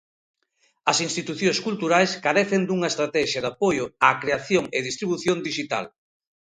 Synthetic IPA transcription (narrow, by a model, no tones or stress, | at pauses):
ɐsinst̪it̪uθjõŋskult̪uɾajskaɾɛθend̪uŋɐest̪ɾat̪ɛʃjɐðapojʊakɾeaθjoŋeðist̪ɾiβuθjond̪iʃit̪a̰l